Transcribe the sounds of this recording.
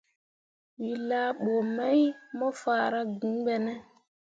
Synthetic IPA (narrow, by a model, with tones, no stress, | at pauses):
wi˨la˦ɓoː˨ma˦jmɔ˦faː˨ɾa˦ɡũ˨˦ɓɛ˨nɛ˦